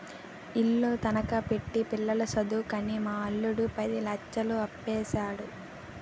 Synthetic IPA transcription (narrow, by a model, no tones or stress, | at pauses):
ilːoːt̪ɐnɐkɐpeʈːipilːɐlɐsɐd̪ukɐnimaːɐɭːuɽupɐd̪ilɐt͡ʃːɐluɐpːɛːʃaːɽu